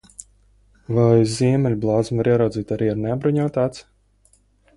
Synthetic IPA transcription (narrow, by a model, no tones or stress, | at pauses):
vajzʲiɛmʲɛlʲblˠaːd̪zmvaɾiɛɾawd̪ziːt̪aɾiːaɾnabɾuɲɔːt̪aːt̪s